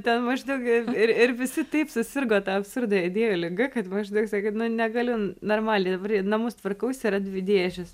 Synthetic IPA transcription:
t̪ʲɛnmɐʒd̪ɐʊkɪɪɾɪɾʋʲɪsʲɪt̪ɐɪpsʊsʲɪrɡoːt̪ɐɐpsʊrd̪ɐɐɪdʲeːjoːlʲɪɡɐkɐt̪mɐʒd̪ɐʊksɐkʲɐɪnʊnʲɛɡɐlʲʊnoːrmɑːlʲeɪd̪ɐbɐrjnɐmʊst̪ʋɐrkɐʊsʲɪɾɐd̪ʲʋʲɪd̪ʲeːʒʲɪs

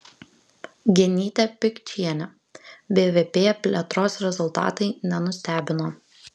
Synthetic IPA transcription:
ɡʲɪnʲiːt̪ʲɛpʲɪkʲt͡ʃʲiɛnʲɛ | bʲeːʋʲeːpʲeːpʲlʲɛt̪ɾoːsɾʲɛzʊlˠt̪ɑ̰ːt̪ɐɪnʲɛnʊsʲt̪ʲæːbʲɪnoː

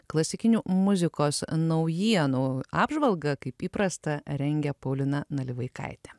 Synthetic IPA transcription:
klˠɐsʲɪkʲɪnʲuːmʊzʲɪkoːsnɐʊjiɛnuːɑːbʒʋɐlˠɡɐkɐɪpiːpɾɐst̪ɐɾʲɛŋʲɡʲɛpɐʊlʲɪnɐnɐlʲɪʋɐɪkɐ̰ɪt̪ʲɛ

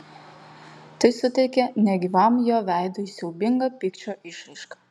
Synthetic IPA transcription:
t̪ɐɪsʊt̪ʲɛɪkʲɛnʲɛɡʲɪʋɐmjoːʋʲæˑɪd̪oːiːsʲɛʊbʲɪŋɡɐpʲɪkt͡ʃʲoːʔɪʃʲɾɐɪʃkɑ

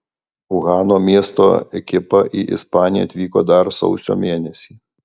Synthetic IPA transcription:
ʊɣɑːnoːmʲiɛst̪o̰ɛkʲɪpɐʔɪʔɪ̰spɑːnʲɪjɛ̰ɐt̪ʲʋʲiːko̰ːd̪ɐɾsɔ̰ʊsʲo̰ːmʲeːnʲɛsʲiː

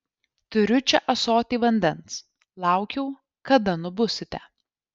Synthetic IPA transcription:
t̪ʊɾʲʊt͡ʃʲɛʔɐsoːt̪ʲiːʋɐnʲd̪ʲɛns | lˠɑˑʊkʲɛʊ | kɐd̪ɐnʊbʊsʲɪt̪ʲɛ

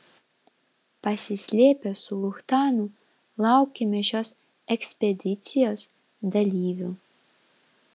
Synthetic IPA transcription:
pasʲisʲlʲiɛpʲɛsulˠuxt̪aːnu | lˠawkʲimʲiʃʲɔːs | ɛksʲpʲɛd̪ʲit̪sʲijoːs | d̪alʲiːvʲu

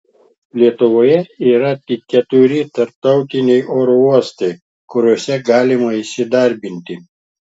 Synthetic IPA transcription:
lʲiɛt̪ʊʋoːjɛiːɾɐt̪ʲɪkːʲɛt̪ʊɾʲɪt̪ɐɾp̚t̪ɐʊt̪ʲɪnʲɛɪʔoːɾouɔst̪ɐɪ | kʊɾʲoɔsʲɛɡɑːlʲɪmɐɪsʲɪd̪ɐɾʲbʲɪnʲt̪ʲɪ

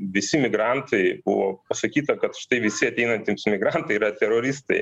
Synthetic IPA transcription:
ʋʲɪsʲɪmʲɪɡɾɑnt̪ʰɐɪbʊ̰ʋoːpɐsɐkʲiːt̪ɐkɐt̪ʃɪ̥t̪ɐɪʋʲɪsʲɪɐt̪ʲɛɪnɐnʲt̪ʲimsmʲɪɡɾɑnt̪ɐɪiɾɐt̪ʲɛɾoːɾʲɪst̪ɐɪ

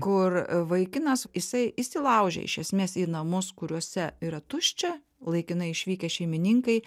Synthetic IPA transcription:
kʊrʋɐɪkʲɪnɐsjɪsɐɪjɪsʲilˠɐʊʒʲɛ̰ɪ̰ʃʲɛsʲmʲeːsiːnɐmʊskʊɾʲuɔsʲɛiːɾɐt̪ʊʃʲt͡ʃʲɛ | lˠɐɪkʲɪnɐɪɪʃʲʋʲiːkʲɛʃʲɛɪmʲɪnʲiŋkɐɪ

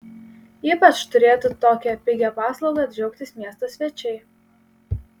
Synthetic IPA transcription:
iːpɐt͡ʃt̪ʊɾʲeːt̪ʊt̪oːkʲɛpʲɪɡʲɛpɑːslˠɒʊɡɐɐbʲd͡ʒʲɛʊkt̪ʲɪsmʲiɛst̪oːsʲʋʲɛt͡ʃʲɛɪ

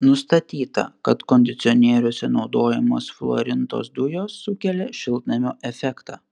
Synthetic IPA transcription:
nʊst̪ɐt̪ʲiːt̪ɐ̰kɐt̪kɔnʲd̪ʲɪt̪sʲɪɔnʲiɛɾʲʊsʲɛnɒʊd̪oːjɛmoːsflˠo̰ɾʲɪnt̪o̰ːsd̪ʊjoːsːʊkʲɛlʲɛʃʲɪlˠt̪nɐmʲoːʔɛfʲɛkt̪ɑː

